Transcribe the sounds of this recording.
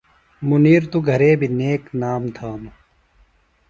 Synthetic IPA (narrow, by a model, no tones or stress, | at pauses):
muniːɾt̪uɡʱɐɾeːbʱineːknaːmt̪ʰaːnu